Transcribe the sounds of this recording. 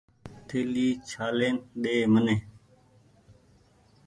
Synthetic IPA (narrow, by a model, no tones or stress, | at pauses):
t̪ʰeːliːt͡ʃʰaːleːnɗeːmənẽː